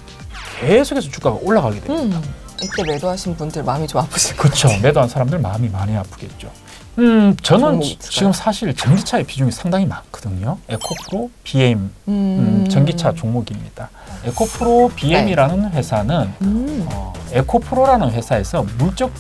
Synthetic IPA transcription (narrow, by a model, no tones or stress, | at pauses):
ke̞sʰoɡe̞sʰʌt͡ɕu̥k͈aɡa̰ʔoɭːaɡaɡe̞dwemɲia | it͈emedoɦaɕʰinbundɯɭmamit͡ɕomapʰɯ̥ɕʰikɯt͡ɕʰome̞doɦansʰaɾamdɯɭmamimaɲiapʰɯ̥ɡe̞t̚t͡ɕ͈o | ɯt͡ɕʌnɯnt͡ɕiɡɯmsʰaɕʰiɭt͡ɕʌŋɡit͡ɕʰae̞pid͡ʑuŋisʰaŋdaŋimanɡ̥ɯdɯɲoe̞kʰopʰɯɾopiem | t͡ɕʌŋɡit͡ɕʰat͡ɕoŋmoɡimɲḭd̥a | e̞kʰopʰɯɾopiemiɾanɯnɸwe̞sʰanɯnʌ̰e̞kʰopʰɯɾoɾanɯnɸwe̞sʰae̞sʰʌmuɭt͡ɕ͈ʌk̚